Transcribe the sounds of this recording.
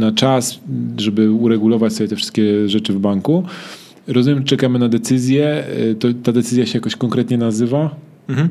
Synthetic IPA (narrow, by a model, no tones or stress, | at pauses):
nat͡ʂasʐɛbɘuɾɛɡulɔvat͡ɕsɔbʲjɛt̪ɛfʂɘ̥st̪̚kʲɛʐɛt͡ʂɘvbaŋku | ɾɔzumʲjɛmʐt͡ʂɛkamɘnad̪ɛt̪sɘzʲjɛt̪ɔt̪ːad̪ɛt̪sɘzʲjaɕɛjakɔɕkɔŋkɾɛt̪ɲɛnazɘva